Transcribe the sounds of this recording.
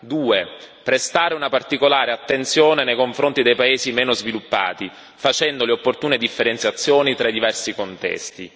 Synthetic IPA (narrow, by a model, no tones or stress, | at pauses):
d̪uːe | pɾest̪aːɾeunapart̪ikolaːɾeat̪ːent̪sjoːnenejkoɱfɾont̪id̪ejpaeːzimeːnozvilupːa̰ːt̪i | fat͡ʃɛnd̪oleopːort̪uːned̪ifːeɾent̪sjat̪sːjoːnit̪ɾad̪ivɛrsikont̪ɛ̰st̪ḭ